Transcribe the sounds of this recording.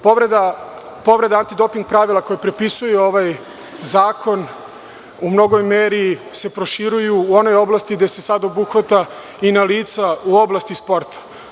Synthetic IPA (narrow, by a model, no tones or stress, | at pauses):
poɾed̪a | po̞ʋɾe̞d̪aant̪id̪o̞piŋɡ̚pɾaʋilako̞jepɾepisujeo̞ʋaj | zaːkʰo̞n | umno̞ɡo̞jmeːɾise̞pɾo̞ʃiɾujuːo̞no̞jo̞blˠast̪iɡd̪e̞se̞sad̪o̞buxʋat̪a | inaliːt̪sauoblˠast̪ispo̞ɾt̪ʰḁ